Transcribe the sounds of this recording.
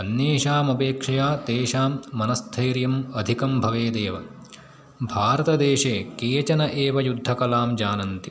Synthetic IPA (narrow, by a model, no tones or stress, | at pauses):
ɐnjeːʂaːmɐpeːkʂɐjaːt̪eːʃaːmːɐnɐst̪ʰɐjɾjɐmɐd̪ʱikɐmbʱɐʋeːd̪eːʋɐ | bʱaːɾɐt̪ɐd̪eːʂeːkeːt͡ʃɐnɐʔeːʋɐjud̪ʱːɐkɐlaːmd͡ʒaːnɐnt̪i